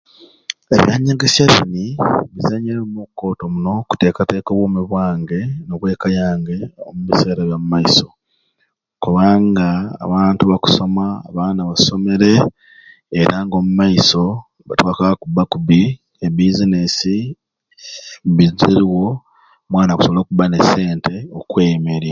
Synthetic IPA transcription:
ḛβjaːɲːaɡesjazḭniβizaɲeɾemukːo̞to̞muno̞ku̥te̞ːkate̞ːkoβwoːmuβwaːŋɡe̞noβwe̞ːkajaːŋɡe̞o̰muβise̞ːɾaβjamumaiso̞ | kuβaːŋɡa̰ːβaːntuβaku̥so̞maːβaːnaβaso̞me̞ɾe̞ː | ɾʔaŋɡo̞ːmumaiso̞ | βatwaːkaβakubːakuβi | ebizinesi | mbiziɾiwo̞ | mwaːnaku̥soβolo̞ːkubane̞se̞ːnte̞okwe̞ːjmeɾja

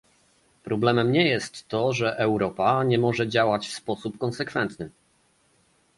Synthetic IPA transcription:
pɾɔblɛmɛmɲɛjɛst̪ːɔʐɛʔɛwɾɔpaɲɛmɔʐɛd͡ʑawat͡ɕfspɔsupkɔnsɛkfɛnt̪nɘ

